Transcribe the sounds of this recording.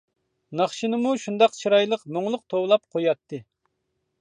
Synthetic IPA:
nɑχʃinɨmuʃund̪ɑqt͡ʃʰiɾɑjlˠəqmoŋlˠʊq̚t̪ʰowlˠɑp̚qʰojɑt̪ʰːɨ

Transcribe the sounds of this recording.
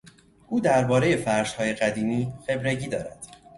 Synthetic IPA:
ʔuːd̪æɾbɒːɾe̞je̞fæɾʃhɒːje̞ɣæd̪iːmiːxe̞bɾeɟiːd̪ɒ̰ːɾæd̪̥

